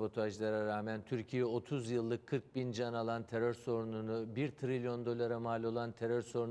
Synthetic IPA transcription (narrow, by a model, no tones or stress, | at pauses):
bo̞t̪ʰoaʒlˠaɾaɾaːmænt̪ʰyɾcʰijɛo̞t̪ʰuzjɯlˠːɯkʰːɯɾk̚bind͡ʒanalˠant̪ʰeɾøɾso̞ɾununubiɾt̪ʰɾilʲjo̞nd̪o̞lˠaɾamaːlʲo̞lˠant̪ʰe̞ɾøɾso̞ɾun